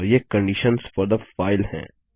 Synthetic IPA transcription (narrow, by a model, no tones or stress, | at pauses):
ɾjekə̃ɳɖiʃənsfɔɾd̪əfaːɪlhɛ̰̃ː